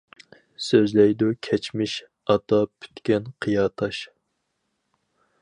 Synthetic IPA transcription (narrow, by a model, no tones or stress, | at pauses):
søzlɛjd̪ukʲʰɛt͡ʃmɪʃ | ɑt̪ʰɑpʰy̥t̪kʲɛnqʰijɑːt̪ʰɑʃ